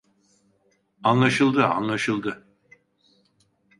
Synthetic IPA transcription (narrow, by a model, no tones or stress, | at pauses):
anlˠaʃɯlˠd̪ɯa̰nlˠaʃɯlˠd̪ɯ